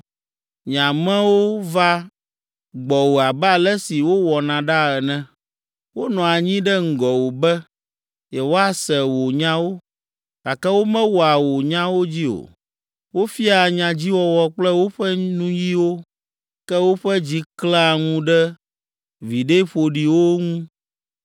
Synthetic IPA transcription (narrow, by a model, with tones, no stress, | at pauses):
ɲã˨mɛ̃˦wo˦va˦ | ɡ͡bɔ˨wo˨a˨bɛ˦a˨lɛ˦si˨wo˦wɔ˨nã˨ɖa˦ɛ˨nɛ̃˦ | wo˦nɔ̃˨a˨ɲĩ˦ɖɛ˦ŋ̩˨ɡɔ˨wo˨bɛ˦ | jɛ˨wo˦a˦sɛ˨wo˨ɲã˦wo˦ | ɡa˨kɛ˦wo˦mɛ̃˦wɔ˨a˨wo˨ɲã˦wo˦d͡ʑi˦o̰˨ | wo˦fi˦a˨ɲã˨d͡ʑi˦wɔ˦wɔ˦k͡plɛ˦wo˦ɸɛ˦nũ˦ji˦wo˦ | kɛ˦wo˦ɸɛ˦d͡ʑi˦klã˦a˦˨ŋũ˦ɖɛ˦ | vi˨ɖe˦ɸo˨ɖi˨wo˦ŋũ˦